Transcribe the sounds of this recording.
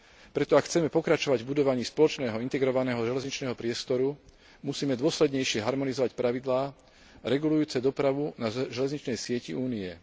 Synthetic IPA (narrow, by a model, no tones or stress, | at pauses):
pɾɛt̪ɔakxːt͡sɛmɛpɔkɾat͡ʃɔʋaɟvbud̪ɔʋaɲiːspɔlɔt͡ʃnɛːɦɔint̪ɛɡɾɔʋanɛːɦɔʒɛlɛzɲit͡ʃnɛːɦɔpɾɪɛst̪ɔɾu | musiːmɛd̪ʊɔslɛd̪ɲɛjʃɪɛɦaɾmɔnizɔʋacpɾʔaʋid̪laː | ɾɛɡulujuːt͡sɛd̪ɔpɾaʋunaʒɛlɛzɲit͡ʃnɛjsɪɛciuːniɛ